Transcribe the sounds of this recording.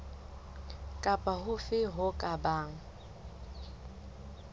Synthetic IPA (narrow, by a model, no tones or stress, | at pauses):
kʼapʼaɦʊfɪɦʊkʼabaːŋ̩